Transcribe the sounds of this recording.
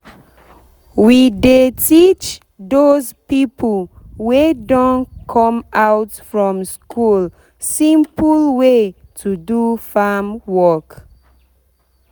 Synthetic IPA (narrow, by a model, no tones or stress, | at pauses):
widetʰit͡ʃ | dozpipʰəl̩wedɔ̃nkʰɔ̃mawtfɹɔ̃mskʰul | sĩmplwetʰudufamwɔk